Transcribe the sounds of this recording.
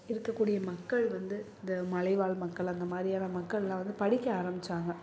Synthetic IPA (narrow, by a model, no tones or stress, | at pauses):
ɪɾɯkːɐkːuːɽɪjɐmɐkːɐɭʋɐnd̪ɯɪnd̪ɐmɐlɐɪʋaːɭmɐkːɐɭɐnd̪ɐmaːd̪ɾɪjaːnɐmɐkːɐɭlãːʋɐnd̪ɯpɐɽɪkːɐaːɾɐmbɪt͡ʃːaːŋɡɐ